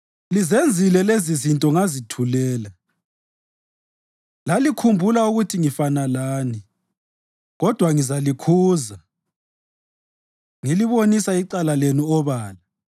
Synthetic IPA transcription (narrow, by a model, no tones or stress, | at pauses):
lizend͡zʱilɛlezizintʼɔŋazitʰulɛːla | lalikʰumbʱulauɣutʰiŋifanalaːni | ɣɔd̥ʱwaŋizalikʰuːza | ŋiliβonisaiǃalalenuɔβaːla